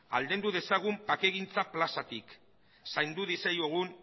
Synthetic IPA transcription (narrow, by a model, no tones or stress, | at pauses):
a̰ld̪e̞nd̪uðe̞saɣ̞umpake̞ɣint͡saplasat̪ik | sajnd̪uðisejoɣ̞un